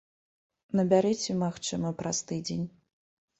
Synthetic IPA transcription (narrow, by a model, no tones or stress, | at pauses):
nɐbʲaɾɨt͡sʲɛmaxt͡ʂɨmɐpɾast̪ɨd͡zʲenʲ